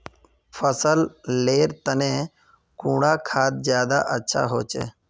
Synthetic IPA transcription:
fʰəsəlleːɾt̪ənẽː | kũːɽaːkʰaːt̪̚zjaːd̪a̰ːʔətːʃʰa̰ːɦoːt͡ʃḛː

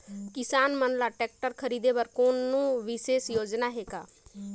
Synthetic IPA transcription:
kɪsaːnmənlaːʈɛːk̚ʈəɾkʰəɾiːd̪eːbəɾkoːnːũːʋɪseːsjoːd͡ʒnaːɦeːɡaː

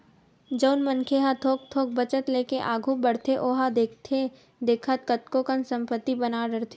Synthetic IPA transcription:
d͡ʒɐʊnmənkʰeɦat̪ʰoːk̚t̪ʰoːk̚bɐt͡ʃət̪leːkeʔaːɡʱũbɐɽ̤t̪ʰeʔoːɦad̪ekt̪ʰe | d̪eːkʰət̪̚kət̪kokənsɐ̃mpət̪ːibɐnaɖəɾt̪ʰ

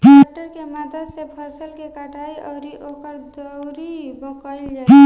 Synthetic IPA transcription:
ʈəɾkeməd̪ʱəsepʰəsəlkekəʈaiʔəʊɾiʔokəɾd̪əwɾibəkəɪld͡ʒa

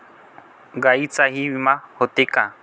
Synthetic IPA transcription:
ɡait͡saɦiwimahʊt̪ɪka

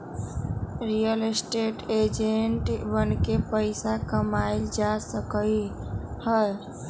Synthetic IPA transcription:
ɾijəlsʈeʈed͡ʒeɳʈbənkepəɪsakəmaɪld͡ʒasəkəihəj

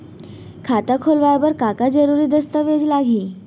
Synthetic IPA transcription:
kʰat̪akʰolʋajbəɾkakad͡zəɾuɾiːd̪əst̪əʋed͡zlaɡiː

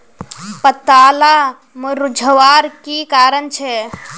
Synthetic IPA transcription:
pət̪ala | muɾud͡ʒʱəʋaɾkikaːɾənt͡ʃʰɛ

